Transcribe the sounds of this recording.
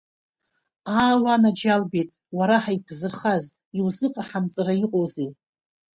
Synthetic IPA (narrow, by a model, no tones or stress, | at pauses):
aːwanad͡ʒalbejtʼ | waɾaħaipʰzɨrχaz | iwzɨqʼaħamt͡sʼɨraiqʼowze